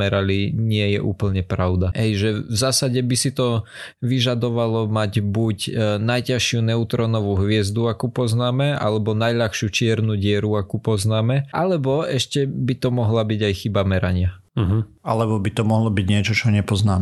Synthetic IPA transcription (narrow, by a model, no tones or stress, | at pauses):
ɛɾaliɲɪɛjɛʔuːpl̩ɲɛpɾaʊd̪aɦɛjʒɛvzaːsaɟɛbisit̪ɔʋiʒad̪ɔʋalɔmaɟbucnajcaʃɪunɛut̪ɾɔnɔʋuɦʋɪɛzd̪uakupɔznaːmɛa̰lɛbɔnajʎaxʃɪut͡ʃɪɛɾnuɟɪɛɾuakupɔznaːmɛʔalɛbɔɛʃcɛbit̪ɔmɔɦlabiɟajxibamɛɾaɲɪa | ɦ̩ | alɛbɔbit̪ɔmɔɦlɔbiɟɲɪɛt͡ʃɔt͡ʃɔɲɛpɔznaːmɛ